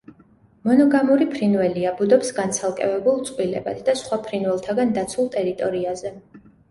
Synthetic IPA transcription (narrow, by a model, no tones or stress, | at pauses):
mɔnɔɡamuɾipʰɾinvɛliabud̪ɔpsɡansʰalˠkʼɛ̰vɛbulˠt̪sʼqʼwilɛ̰ba̰t̪ʰd̪asχwapʰɾinwɛlˠt̪ʰaɡand̪at̪sʰulˠt̪ʼɛɾit̪ʼɔɾiazɛ